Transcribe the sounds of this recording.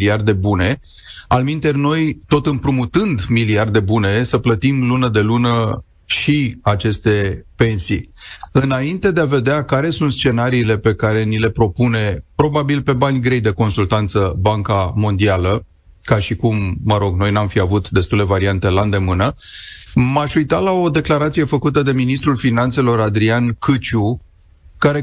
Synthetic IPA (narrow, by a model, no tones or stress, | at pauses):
liard̪e̞bune̞ | almint̪e̞rʲno̞jt̪o̞t̪ɨmpɾumut̪ɨnd̪miliard̪e̞bune̞səplət̪imlunəd̪e̞lunə | ʃiat͡ʃe̞st̪e̞pe̞nsiɨnaint̪e̞d̪eave̞d̪eakaɾe̞sunt̪st͡ʃe̞naɾiːle̞pe̞kaɾe̞nile̞pɾo̞pune̞pɾo̞babilpe̞banʲɡɾe̞jd̪e̞ko̞nsult̪ant̪səbaŋkamo̞nd̪ialə | kaʃikumːəɾo̞ɡno̞jnamfiavut̪d̪e̞st̪ule̞vaɾiant̪e̞land̪e̞mɨnə | maʃujt̪alao̞d̪e̞klaɾat̪sije̞fəkut̪əd̪e̞minist̪ɾulfinant̪se̞lo̞ɾad̪ɾiankɨt͡ʃu | kaɾe̞